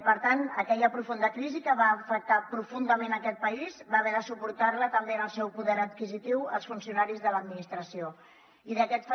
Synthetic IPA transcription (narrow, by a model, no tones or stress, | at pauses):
pəɾt̪anəkɛʎəpɾufund̪əkɾizikəβaːfək̚t̪apɾufund̪əmenəkɛt̪̚pəizβaːβɛɾəsupuɾt̪aɾlət̪əmbenəlˠsɛwpuðɛɾət̪kizit̪iwə̰lˠsfunsiunaɾizðələd̪minist̪ɾəsio | iðəkɛt̪f